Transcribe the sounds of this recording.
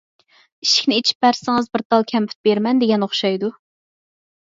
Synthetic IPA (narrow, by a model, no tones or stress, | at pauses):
iʃi̥kʲnɪet͡ʃʰi̥p̚bæɾsɪŋɨzbɪɾt̪ɑlˠkʲʰɛmpʰy̥t̪̚beɾmɛnd̪eɡʲɛnoχʃɑjd̪u